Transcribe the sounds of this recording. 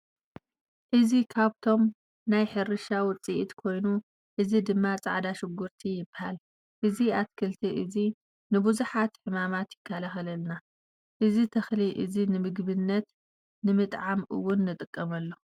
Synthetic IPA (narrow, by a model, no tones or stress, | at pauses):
ʔɨzikʰaβt̪ʰo̞m | najħɨɾɨʃawʊt͡sʼiʔit̪kʰo̞jnu | ʔɨzid̪ɨmːat͡sʼa̰ʕd̪aʃɪɡːʊɾt̪ʰijɪbahal | ʔɨziat̪kʰɨlt̪ʰiʔɨzi | nɨbuzuħat̪ħɨmamat̪jɪkʰːalaxɐlɐlna | ʔɨzit̪ʰɐxliʔɨ̰zinɨmɨɡbɨnːɐt̪ | nɨmɨt̪ʼʕamʔɨ̰wːʊnːɨt̪ʼɨkʼːɐmɐlːo̞